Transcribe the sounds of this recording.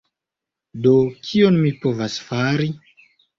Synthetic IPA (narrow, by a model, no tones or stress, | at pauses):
do̞kʰio̞nmipo̞vasfaɾi